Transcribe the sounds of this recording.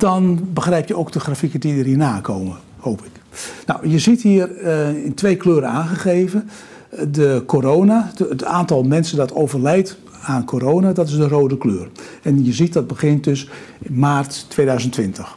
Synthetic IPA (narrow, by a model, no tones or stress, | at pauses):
d̥ɔnbəxrɛjpjəowk̚dəxrafikədiərɦiːnaːkʰowmə | hoːwpɪk | nɔwjəzithiːərɪntʋejkløːɾəaːnχəχejvə | dəkoɾoːnataːntɔlˠmɛnsədɔtʰowvərlɛjt | aːnkʰoːɾoːwnadɔtɪzdəroːdəkløːrɛnjəzit̚dɔd̚bəɣɪnt̚døsɪmaːrtːʋeːdœɥzəntʋɪntəx